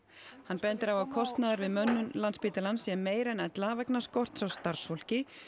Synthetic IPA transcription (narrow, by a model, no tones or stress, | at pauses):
hanːpɛnt̪ɪɾawvawkʰɔst̪naðaɾvɪðmœnːʏnlanspiːt̪ɪlansjɛmmeːjɾɛnɛt̪lavɛknaskɔwr̥t̪sawst̪aɾr̥sfowl̥cɪ